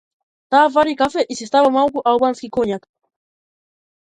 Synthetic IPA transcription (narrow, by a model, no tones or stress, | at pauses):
t̪af̬aɾikafeʔisis̬t̪awamawkʊʔawbanskɪkoɲak